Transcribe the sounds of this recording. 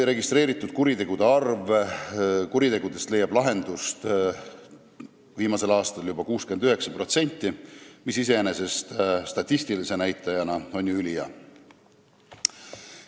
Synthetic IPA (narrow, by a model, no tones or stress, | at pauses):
ejɾe̞ɡist̪ɾe̞ːɾit̪ːˑud̪̥̚kuɾit̪e̞ɡ̥ud̪̥e̞ɑrv | kuɾit̪e̞ɡ̥ud̪̥e̞st̪le̞jɑb̥lɑɦe̞nd̪̥ust̪ | viːmɑse̞lɑːst̪ɑljub̥ɑkuːske̞nd̪yɦe̞ksɑpro̞t̪se̞nʲt̪ˑːimisise̞ene̞se̞st̪st̪ɑt̪ʲːist̪ilise̞næjt̪ːˑɑjɑnɑo̞nʲjuylijɑ̰